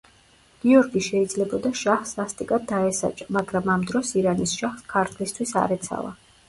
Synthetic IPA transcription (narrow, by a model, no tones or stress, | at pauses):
ɡ̥iɔɾɡiʃɛid̪zlɛbɔd̪aʃaχsast̪ʼikʼad̪̚ːaɛsa̰t͡ʃʼamaɡɾamamd̪ɾɔsiɾanisʃaχskʰaɾt̪ʰlist̪ʰwisa̰ɾɛt̪sʰa̰lˠa̰